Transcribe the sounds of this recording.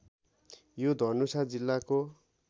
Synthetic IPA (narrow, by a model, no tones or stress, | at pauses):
jod̪ʱʌnusad͡zilːako